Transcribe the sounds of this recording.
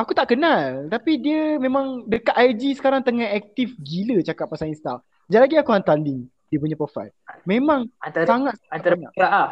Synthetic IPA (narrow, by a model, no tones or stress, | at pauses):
akut̪aʔkənalt̪apidiəmẽmãŋdəkat̪̚ajd͡ʒisə̥kaɾaŋt̪əŋahɛk̚t̪ifɡilət͡ʃakatʔ̪̚pasaŋinst̪a̰f | d͡ʒalaɡiakuɦant̪aliŋ | diəp̬uɲapəfa̰jlmẽmãŋant̪asaŋat̪̚nt̪aɾŋaɾaʔa